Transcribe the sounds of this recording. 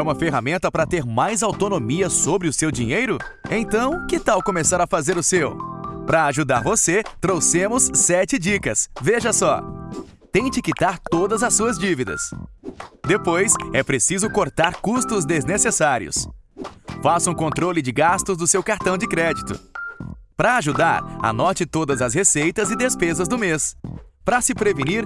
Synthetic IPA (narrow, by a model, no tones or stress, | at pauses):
ũmɐfeɦamẽnt̪ɐpɾɐt̪eɾmajzawt̪onomiɐsobɾɪʊsewd͡ʒiɲejɾʊ | ẽt̪ɐ̃w̃kɪt̪awkõmesaɾɐfazeɾʊsewpɾɐːʒud̪aɾvoset̪ɾowsẽmʊsːɛt͡ʃɪd͡ʒikɐsveʒɐsɔ | t̪ẽj̃t͡ʃɪkit̪aɾt̪od̪ɐzɐsːuɐzd͡ʒivid̪ɐ̰s | d̪epojsɛpɾesizʊkoɾt̪aɾkust̪ʊzd̪eznesesaɾiʊ̰s | fasũkõnt̪ɾolɪd͡ʒɪɡast̪ʊzd̪ʊsewkaɾt̪ɐ̃w̃d͡ʒɪkɾɛd͡ʒit̪ʊ̰ | pɾɐːʒud̪aɾɐ̰nɔt͡ʃɪt̪od̪ɐzɐshesejt̪ɐzɪd̪espezɐzd̪ʊmespɾɐsɪpɾeviniɾ